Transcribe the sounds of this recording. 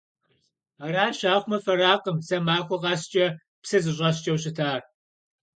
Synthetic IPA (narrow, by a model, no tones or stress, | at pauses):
aːraːʃaːχʷmɐfɐɾaːqʼəmsɐmaːxʷɔʁɑːɕt͡ʃʼɐ | psɐzɨɕʼɐɕ̬t͡ʃʼɐwɕɪtʰaːr